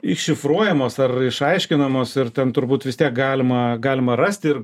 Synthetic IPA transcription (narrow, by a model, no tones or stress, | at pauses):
ɪkʃʲɪfruɔjɛmoːsɐrɪʃɐɪʃʲkʲɪnɐmoːsɪrt̪ʲɛnt̪ʊɾbuːt̪ʋʲɪst̪ʲiɛk̚ɡɑːlʲɪmɐɡɑːlʲɪmɐrɐsʲt̪ʲɪr